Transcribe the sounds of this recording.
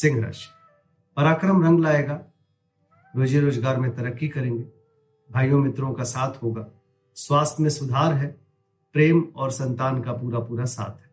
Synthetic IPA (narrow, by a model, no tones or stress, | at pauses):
sɪ̃ŋɡʱɾa̰ːʃ | pɐɾaːkɾəmɾə̃ŋɡlaːeːɡaː | ɾoːd͡ʒeɾoːzɡaːɾmẽt̪ɐɾəkːikɐɾẽːŋɡe | bʱaːjõmɪt̪ɾõkasaːt̪ʰɦoːɡaː | swaːst̪ʰjmẽsʊd̪ʱaːɾɦɛ | pɾeːmɔːɾsɐ̃nt̪aːnkapuːɾapuːɾasa̰ːt̪ʰɦɛː